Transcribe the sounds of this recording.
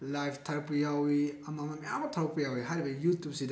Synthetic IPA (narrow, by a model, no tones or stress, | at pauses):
lajpʰtʰaɾpɐjawiɐmamɐmɐja̰mbɐtʰawpɐjawiɦajɾibɐjutjup̚sida